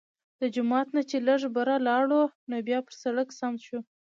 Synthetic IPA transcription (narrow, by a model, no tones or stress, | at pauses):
d̪̥əd͡ʒʊmɑt̪nat͡ʃeləʐbaɾalɑɽonobjɑpəɾsaɽəksamt̪ʃu